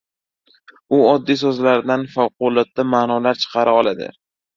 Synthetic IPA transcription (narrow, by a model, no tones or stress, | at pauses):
ʊɒd̪ːijsɵzlaɾɪd̪anfawqʊlˠɒt̪̚d̪ːamaːnɒlaɾt͡ʃʰɨ̥qʰɑɾaɒlˠad̪ɪ̰